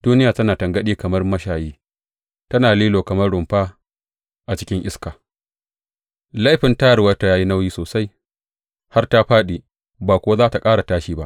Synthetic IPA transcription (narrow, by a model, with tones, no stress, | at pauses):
d̥uː˦nɪ˦jaː˨tɐ˦naː˨tɐ˨ŋɡɐ˦ɗiː˦kɐ˨mɐ˦rmɐ˦ʃaː˨jiː˦ | tɐ˦naː˨liː˦loː˨kɐ˨mɐ˦rɽʊ˨mɸaː˦ | ʔa˨t͡ʃɪ̥˦kʲɪ˦ŋʔɪ˦skaː˨ | la˦jɸɪ˨ntaː˦ɽwɐ˦ta˨jaː˦ji˦na˦wjiː˦soː˨sa˦j | ha˦rta˦ɸaː˦ɗiː˨ | baː˨kʷʊ˦wa˦zaː˦ta˨kʼaː˦ɽa˨taː˦ʃiː˦ba˦ʔ